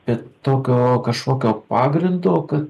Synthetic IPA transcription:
pʲɛt̪oːkʲoːkɐʃkoːkʲoːpɑːɡɾʲɪnd̪oːkɐt̪

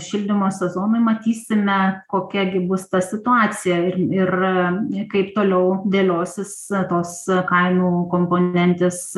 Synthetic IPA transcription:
ʃʲɪlʲd̪ʲɪmoːsʲɛzoːnɐɪmɐt̪ʲiːsʲɪmʲɛkoːkʲɛɡʲɪbʊst̪ɐsʲɪt̪ʊɑːt͡sʲɪjɛɪɪr | kɐɪpt̪oːlʲɛʊd̪ʲeːlʲoːsʲɪst̪oːskɐɪmuːkoːmpoːnʲɛnʲt̪ʲeːs

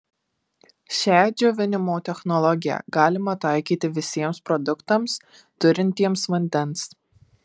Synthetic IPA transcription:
ʃʲæːd͡ʒʲoːʋʲɪnʲɪmoːt̪ʲɛxnɔlˠɔɡʲɪjɛ̰ɡɑːlʲɪmɐt̪ɑˑɪkʲiːt̪ʲɪʋʲɪsʲiɛmspɾɔd̪ʊkt̪ɐms | t̪ʊɾʲɪnʲt̪ʲiɛmsʋɐnʲd̪ʲɛns

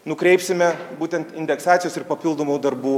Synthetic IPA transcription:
nʊkɾʲɛɪpsʲɪmʲɛbuːt̪ʲɛnt̪ɪnʲd̪ʲɛksɑːt̪ʲɪjoːsɪɾpɐpʲɪlˠd̪oːmuːd̪ɐɾbuː

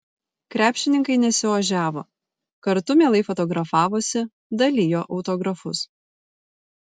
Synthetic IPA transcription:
kɾʲæːpʲʃʲɪnʲɪŋkɐɪnʲɛsʲɪʋɐʒʲæːʋoː | kɐɾt̪ʊmʲeːlˠɐɪfɔt̪ɔɡɾɐfɑːʋosʲɪ | d̪ɐlʲijoːʔɒʊt̪ɔɡɾɐfʊs

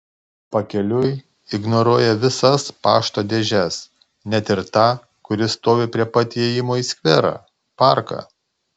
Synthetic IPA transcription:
pɐkʲɛlʲʊj | ɪɡnɔɾuɔjɛʋʲɪsɐspɑːʃt̪oːd̪ʲɛːʒʲɛs | nʲɛt̪ʲɪɾt̪ɑː | kʊɾʲɪst̪oːʋʲepʲɾʲiɛpɐt̪ʲiɛjɪmoːiːsʲkʲʋʲɛɾɑ̰ː | pɑˑɾkɑ̰

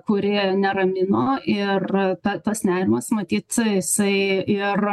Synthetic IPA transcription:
kʊɾʲɪnʲɛɾɐmʲɪnoːʔɪrt̪ɐt̪ɐsnʲæːɾʲɪmɐsmɐt̪ʲiːt̪jɪsɐɪɪr

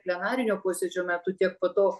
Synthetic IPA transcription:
pʲlʲɛnɑːɾʲɪnʲoːpoːsʲed͡ʒʲoːmʲæt̪ʊt̪ʲiɛk̚poːt̪oː

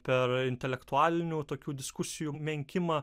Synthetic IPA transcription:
pʲɛɾɪnʲt̪ʲɛlʲɛkt̪ʊɑːlʲɪnʲuːt̪oːkʲuːd̪ʲɪskʊsʲɪjuːmʲɛŋʲkʲɪmɑ

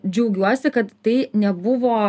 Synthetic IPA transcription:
d͡ʒʲɛʊɡʲuɔsʲɪkɐt̪t̪ɐɪnʲɛbʊʋoː

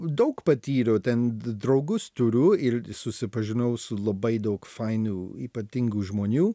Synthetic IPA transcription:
d̪ɐʊkpɐt̪ʲiːɾʲoːt̪ʲɛnd̪ɾɐʊɡʊst̪ʊɾʲʊɪɾsʊsʲɪpɐʒʲɪnɐʊsʊlˠɐbɐɪd̪ɐʊkfɐɪnuːiːpɐt̪ʲɪŋɡuːʒmoːnʲuː

